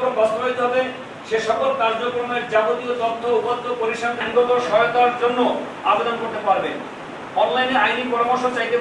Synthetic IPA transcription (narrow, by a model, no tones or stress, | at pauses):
kombɔst̪oɦojt̪eɦɔbe | ʃeʃɔkolkaɾd͡ʑokɾomeɾd͡ʑabot̪iot̪ɔt̪ʰːoupot̪ʰːopoɾiʃand̪ʰʱeŋɡot̪oʃɔot̪aɾd͡ʑonːo | abed̪onkoɾt̪epaɾbe | ɔnlajneajnipɔɾamoɾʃot͡ɕajt̪e